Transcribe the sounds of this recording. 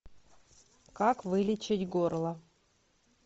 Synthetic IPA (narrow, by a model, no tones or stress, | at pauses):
kakvɨlʲɪt͡ɕɪtʲɡorlˠə